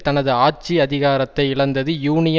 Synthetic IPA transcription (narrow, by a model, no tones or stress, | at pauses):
t̪ɐnɐðɯaːʈ̚t͡ʃiɐðɪɣaːɾɐt̪ːɐɪɪɭɐnd̪ɐðɯjuːnɪjɐ